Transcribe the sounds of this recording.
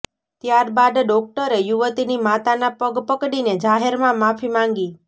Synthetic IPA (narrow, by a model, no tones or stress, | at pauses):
t̪jaɾbad̪ɖɔk̚ʈəɾejuʋət̪inimat̪anapəɡpəkɽined͡ʒaɦeɾmãmapʰimãŋɡi